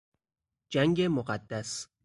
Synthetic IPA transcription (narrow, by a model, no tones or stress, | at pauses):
d͡ʒæŋɡemoɢæd̪ːæs